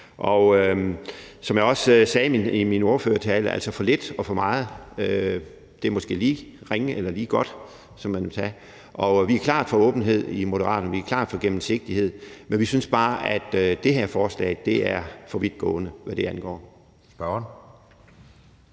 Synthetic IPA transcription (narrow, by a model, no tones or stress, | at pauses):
ʔɒ̽ø | sɒ̽mjɑ̈ɒ̽ssɛːnimino̝ɐfø̰ːɐt͡sʰɛːləæl̰sɒfɒ̽le̝d̥ɒ̽fɒ̽mɑ̈ːð̞̩ˠø | d̥e̝ɐmɒ̽sɡ̥e̝̰ːliːʁeŋəʔelɐliːɡ̥ɒ̽d̥ | sɒ̽mːænʋet͡sʰɛː | ʔɒ̽ʋiæɐkʰlɑ̰̈ːd̥fɒ̽ɔ̽ːb̥n̩ɦe̝ð̞̰ˠimo̝ɾɐʁɑ̰̈ːd̥ɒnʋiæɐkʰlɑ̰̈ːd̥fɒ̽ɡ̥emm̩se̝ɡ̥̚d̥ihe̝ð̞̰ˠmenʋisynsb̥ɑ̈ːʔæd̥ød̥e̝ɦeɐfɒːslɛ̰ɪd̥e̝æɐfɒ̽ʋid̥ɡ̥ɔ̰̽ːnəʋæɾ̥e̝ænɡ̥ɒ̰ː | sb̥ɶn